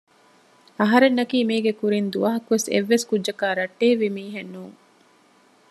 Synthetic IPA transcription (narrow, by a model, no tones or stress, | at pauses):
ɐɦɐɾenːɐkiːmiːɡekuɾind̪uʋɐɦɐkuʋesḛʋːeskudːd͡ʒɐkaːɾɐʈːeːʋimiːɦenːuːŋ